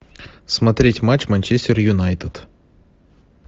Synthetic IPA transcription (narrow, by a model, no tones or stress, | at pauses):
smɐt̪ɾʲetʲmat͡ɕmɐnʲt͡ʃesʲtʲɪrjʊnajt̪ɨt̪